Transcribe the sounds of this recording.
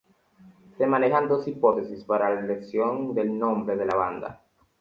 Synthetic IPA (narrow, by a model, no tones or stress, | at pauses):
se̞mane̞xand̪o̞sipo̞t̪e̞sispaɾalaleksjond̪e̞lnõ̞mbɾeð̞e̞laβand̪a̰